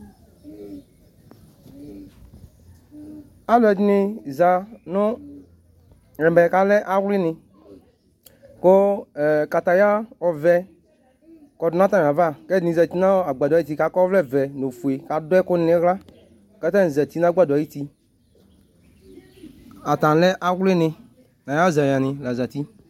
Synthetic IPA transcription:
a˦lɛ˨dnɪ˨za˨nʊ˦˨ | ɾɛ̃˨bɛ˨ka˨lɛ˦ʔa˦wlɪ˦nɪ̃˧ | ko˦˨ka˨t̪a˨ja˦ɔ˨vɛ˦ | kɔ˨dnã˦tã˦˨a˨va˦˨kɛ˦dnĩ˨za˨ti˦nã˦a˨ɡ͡ba˨di˦ti˦ka˨˦kɔ˦vlɛ˦˨vɛ˨no˨fu˨e˨ka˨dʊ˦ɛ˦kʊ˦n˦nɪ˦ɣla˦ | ka˨˦ta˦n˨za˨ti˦nã˦ɡ͡ba˦˨da˨ji˦ti˧ | a˨tã˨lɛ˦ʔa˦wlɪ˦nɪ̃˧ | na˨ja˦za˨ja˨nɪ̃˨la˨za˨ti˦

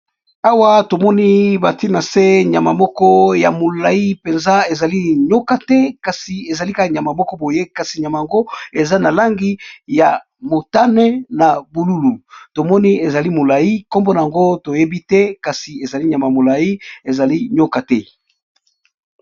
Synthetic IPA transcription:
a˦wa˦to˨mɔ˦ni˦ba˨ti˦na˨se˦ɲa˨ma˨mɔ˦kɔ˦ja˨mo˨la˨i˦pe˨nza˦e˨za˨li˦ɲo˦ka˨tɛ˦ka˨si˨e˨za˨li˦ka˨ɲ˨a˨ma˨mɔ˦kɔ˦bo˨je˦ka˨si˨ɲa˨ma˨ja˨ŋɡo˦e˨za˦na˨la˦ŋɡi˦ja˨ | mo˨ta˦nɛ˦na˨bu˨lu˦lu˨to˨mɔ˦ni˦e˨za˨li˦mo˨la˨ji˦ko˦mbo˦na˨a˨ŋɡo˦to˨je˦bi˦tɛ˦ka˨si˨e˨za˨li˦ɲa˨ma˨mo˨la˨i˦e˨za˨li˦ɲo˦ka˨tɛ˦

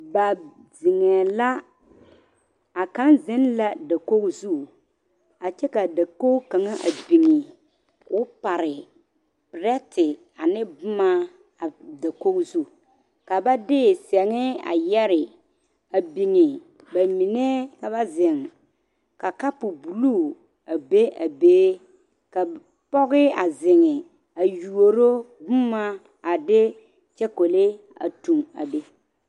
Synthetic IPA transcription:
ba˨ | zɪ˨ŋɛ˨la˦ | a˨ka˦nzɪ˦nla˦da˨ko˦ɣzu˦˨ | a˨t͡ʃɛ˦ka˨da˨ko˦ka˨ŋa˦ʔa˨bi˨ŋi˨ | ʊ˦pa˨ɾɪ˨ | pɪ˨ɾɛ˦tɪ˨ | a˨nɪ˦bʊ˦ma˦ | a˨da˨ko˦ɡzu˦˨ | ka˨ba˦dɪː˦˨sɛ˨ŋɪ˦a̰˨jɛ˦ɾɪ˨ | a˨bi˨ŋɪ˨ | ba˨mi˨ne˦ka˨ba˦zɪ˨ŋ | ka˨ka˦pʊ˨bu˨luː˦ | a˨be˦a˨beː˦ | ka˨ | pɔ˦ɣɪ˦a˨zɪ˨ŋɪ˨ | a˨ju˨o˨ɾo˦bʊ˦ma˦ | a˨dɪ˦ | t͡ʃɛ˦ko˨le˦ | a̰˨tu˨ŋa̰˨be˦

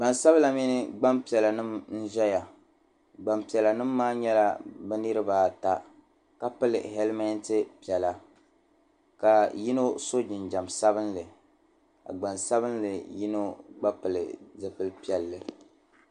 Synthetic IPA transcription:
ɡ͡ba˨nsa˦βla˨mi˦nɨ˦ɡ͡ba˦mpi˨ɛ˨la˨nɨ˦mn̩˦ʒɛ˦ja˨ | ɡ͡ba˨mpi˨ɛ˨la˨nɨ˦mːaː˦ɲɛ˦la˦bɛ˦nɨ˦ɾɨ˦baː˦ta˦ | ka˦pɨ˦lɨ̰˨hɛ˦lma˦ntɨ˦pi˨ɛ˨la˨ | ka˨ji˦no˦so˦d͡ʒɪ˨nd͡ʒa˨msa˦βɨ˦nlɨ˨ | a̰˨ɡ͡ba˨nsa˦βɨ˦nlɨ˨ji˦no˦ɡ͡ba˦pɨ˨lɨ̰˨zɨ˦pɨ˦lpi˦ɛ˨lːɨ˨

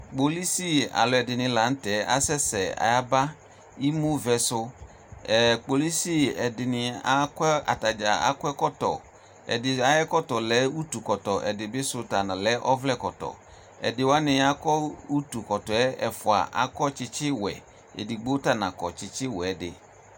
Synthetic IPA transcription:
k͡po˨li˦si˦˨a̰˨lɔ˨ɛ˨dɪ˨nɪ̃˨la˨˦n̩˦tɛ˨˦ʔa̰˦sɛ˦sɛ˨a̰˨ja˦ba˦ | i˦mũ˦vɛ˨sʊ˦ | ɛ˨k͡po˨li˦si˦˨ɛ˨dɪ˨nɪ˨a˦ka̰˨ta˨d͡ʒa˨a̰˦kʊ˦ɛ˦kɔ˦tɔ̰˨ | ɛ̰˨dɪ˨a˨jɛ˦kɔ˦tɔ˨lɛ˨˦u˦tu˨kɔ˨tɔ˨ʔɛ̰˨dɪ˨bɪ˦sʊ˦ta˨nã˨lɛ˨˦ʔɔ˦vlɛ˦˨kɔ˨tɔ̰˨ | ɛ̰˨dɪ˨wa˦nɪ˨a˦kɔ˦u˦tu˨kɔ˨tɔ˨ɛ˦ɛ˨fʊ˨a̰˨ʔa̰˦kɔ˦t͡ʃɪ˦t͡ʃɪ˦wɛ̰˨ | ḛ˨di˨ɡ͡bo˦ta˦nã˨kɔ̰˨t͡ʃɪ˨t͡ʃɪ˦wɛ˨˦dɪ̰˨

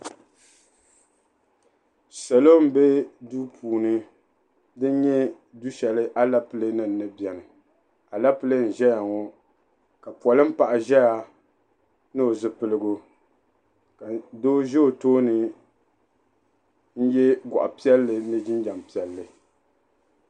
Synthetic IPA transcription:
sa˨lo˦m̩˨be˦duː˦pʰuː˨nɨ˦ | dɨ˦n˦ɲɛ˦ | du˦ʃɛ˨lɨ˦ʔa˦la˦pɨ˨lɨ˦nɨ˦˨n̩ː˨ɨ˦bjɛ˨nɨ˨ | a˨la˦pɨ˦lɨ˦n̩˨ʒɛ˦ja˨ŋɔ˦ | ka˨pɔ˨lɨ˦m̩˦pa˨ʔa˨ʒɛ˦ja˦ | nɨ˦o˨zɨ˨pɨ˦lɨ˦ɡo˦ | ka˨do˦ʒɛ˦o˨toː˦nɨ˨ | n̩˦jɛ˦ɡʷɔ̰˨ʔa̰˨pi˦ɛ˦lːɨ˨nɨ˦d͡ʒɪ˦n˦d͡ʒa˨m˨pi˨ɛ˨lːɨ˨

